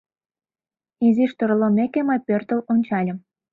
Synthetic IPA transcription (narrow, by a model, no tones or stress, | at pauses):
iziʃt̪oɾolomekemɤjpørt̪əlonʲt͡ɕɑlʲə̆m